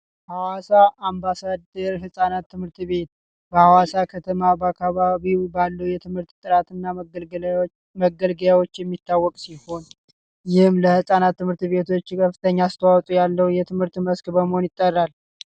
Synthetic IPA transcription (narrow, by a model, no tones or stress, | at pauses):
hawasaʔːmbasad̪əɾɦɨsʼanat̪ːɨmhɨɾt̪βe̞t̪ | bəhawasakʰət̪ʰəmabəakʰːaβaβiwbalːəwjɛt̪ʰɨmhɨɾt̪t̪ʼːɨɾat̪ʰɨnːa | məɡəlɡəljawo̞t͡ʃːjɛmːit̪ːawːɔkʼsiho̞n | jɪhɨmləhɨsʼanat̪ːɨmhɨɾt̪βe̞t̪ʰo̞t͡ʃːkʰəfɨt̪ʰəɲːast̪ʰəwawt̪ʼujalːəwjɛt̪ʰɨmhɨɾt̪məskbəməho̞njɪt̪ʼːərːal